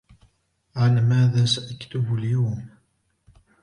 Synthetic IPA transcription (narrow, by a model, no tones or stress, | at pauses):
ʕalmæːðaːsaʔakt̪ʊbʊljuːm